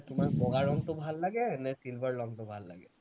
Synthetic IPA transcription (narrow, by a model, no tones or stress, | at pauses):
t̪omakboɡaɾɔŋt̪obʱalːaɡenesilbʱaɾlɔŋt̪obʱalːa̰ɡe